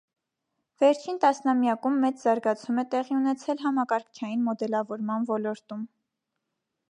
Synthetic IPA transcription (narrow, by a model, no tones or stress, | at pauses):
vɛɾt͡ʃʰint̪ɑsnɑmjɑkumːɛt͡szɑɾɡɑt͡sʰumɛt̪ɛʁiunɛt͡sʰɛlɦɑmɑkɑɾkʰt͡ʃʰɑjinmɔd̪ɛlɑvɔɾmɑnvɔlɔɾt̪um